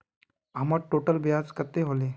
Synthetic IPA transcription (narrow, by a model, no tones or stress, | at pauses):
amaʈoʈəlbjad͡zkət̪ːeɦole